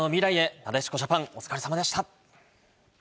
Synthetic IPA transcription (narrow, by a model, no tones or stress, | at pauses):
nomʲiɾaie̞nad̪aɕi̥ko̞ʑapãŋo̞t͡sɨ̥kaɾesamad̪e̞ɕi̥t̪a